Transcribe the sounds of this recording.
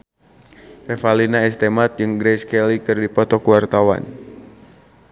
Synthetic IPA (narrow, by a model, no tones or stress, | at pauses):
ʔɛfalinaɛst̪ɛmat̪̚jɨŋɡɾɛskɛlikɨrdipɔt̪ɔkuwart̪awa̰n